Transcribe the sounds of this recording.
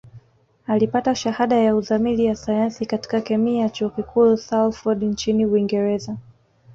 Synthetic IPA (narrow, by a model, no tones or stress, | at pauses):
alipataʃahaɗajauðamilijasajansikati̥kakɛmijat͡ʃuɔkikʰusawt̪ffɔɗnt͡ʃiniwiŋɡɛɾɛza